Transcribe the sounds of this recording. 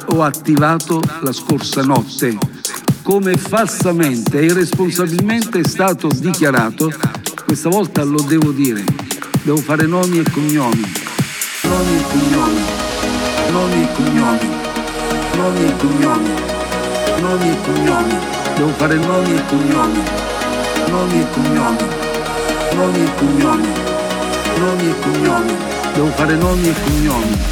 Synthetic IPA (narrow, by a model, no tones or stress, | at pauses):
ɔat̪ːivaːt̪olaskorsanɔt̪ːekomefalsamɛnt̪eiresponsabilmɛnt̪eɛst̪aːt̪ʊd̪ikjaɾaːt̪ʊkwest̪avɔlt̪alʊd̪ɛːvʊd̪iːɾɪ̰d̪ɛːvʊfaːɾɪnɔːmiekːoɲːɔːmi | nɔːmiekːoɲːɔːmi | nɔːmiɛkːoɲːɔːmi | nɔːmiɛkːoɲːɔːmi | nɔːmiɛkːoɲːɔːmi | d̪ɛːvʊfaːɾɪnɔːmiɛkːoɲːɔːmi | nɔːmiɛkːoɲːɔːmi | nɔːmiekːoɲːɔːmi | nɔːmiɛkːoɲːɔːmi | d̪ɛːvʊfaːɾɪnɔːmiɛkːoɲːɔːmi